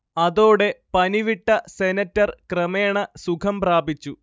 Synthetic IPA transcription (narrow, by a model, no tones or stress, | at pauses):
ɐðoːɽe̞pɐniʋiʈːɐsenɐtːɐrkrɐmeːɳɐsukʰɐmpraːbit͡ɕːu